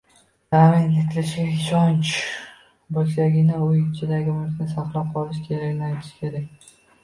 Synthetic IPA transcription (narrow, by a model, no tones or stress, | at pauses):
d̪̥amɪnet̪ʰɪlɪʃɡʲaɪʃɒnt͡ʃ | bɒʃlaɡʲɪnɪojʲt͡ʃʰɪd̪aɡʲɪmʊt̪ʲnɪsɑqlˠap̚qʰɒlˠɪʃkʲʰe̞ɾakʲnɪajt̪ʰɪ̥ʃkʲe̞ɾakʲ